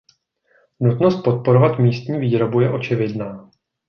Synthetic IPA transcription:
nut̪no̞st̪̚po̞t̪̚po̞ɾo̞vat̪miːst̪ɲiːviːɾo̞bujɛʔo̞t͡ʃɪvɪdnaː

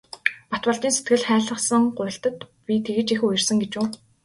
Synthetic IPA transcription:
pat̪wə̆ɮt̪iːnset̪ɡɘ̆ɮχæːɮə̆χsə̆ŋɢʊːɬt̪ə̆t̪pʲit̪ʰeɣɘ̆t͡ɕixʊjɪ̆rsə̆ŋɡet͡ɕuː

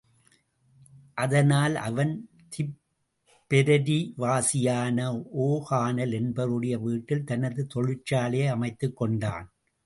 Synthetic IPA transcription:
ʔɐðɐnaːlʔɐ̰ʋɐn | t̪ʰɪp | pːɛɾɐɾiʋaːsɪjaːnɐoːɣaːnɐlɛnbɐɾɯɽɐjɐʋiːʈːɪlt̪ɐnɐðɯt̪ɔɻɪt͡ʃːaːleːɐmɐɪt̪ːɯkːɔɳɖa̰ːn

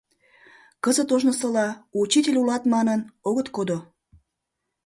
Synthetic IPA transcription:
kəzət̪oʒnəsəlɑut͡ɕitʲelʲulɑt̪mɑnənoɣət̪kod̪o

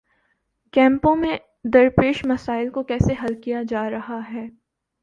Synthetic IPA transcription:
kɛ̃ːmpõmẽ | d̪ɐɾpeːʃmɐsaːɪlkokɛːseɦɐlkijad͡ʒaːɾɐɦaɦɛː

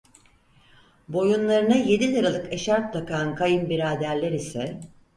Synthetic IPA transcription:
bo̞junlˠaɾɯnaje̞d̪ilaɾalˠɯkeʃaɾt̪̚d̪akankʰajɯmbiɾaːd̪æɾlʲeɾisɛ

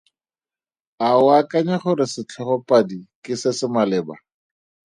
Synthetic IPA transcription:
aʊakaɲaχʊɾɪsɪt͡ɬʰɔχɔpʼadikɪsɪsɪmalɪːba̰

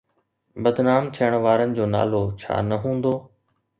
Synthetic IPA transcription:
bəd̪naːmt̪ʰijəɽ̃ʋaːɾənɪ̆d͡ʑoːna̰ːloːt͡ɕʰa̰ːnəɦũːnd̪oː

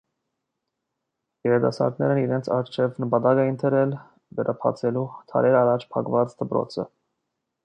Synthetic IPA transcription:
jɛɾɛd̪ɑ̰sɑ̰ɾɡ̪nɛɾəniɾɛnt͡sʰɑ̰ɾt͡ʃʰɛvnəpɑt̪ɑɡɛjint̪ʰəɾɛl | vɛɾʔɑpʰɑ̰t͡sʰɛlut̪ʰɑ̰ɾɛɾɑrɑt͡ʃʰpʰɑ̰kvɑt͡sd̪əpɾɔ̰t͡sʰə̰

